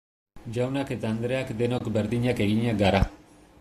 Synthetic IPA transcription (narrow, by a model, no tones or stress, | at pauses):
d͡ʒawnake̞t̪aːnd̪ɾe̞akd̪e̞no̞kbeɾðiɲake̞ɣiɲaɡaɾa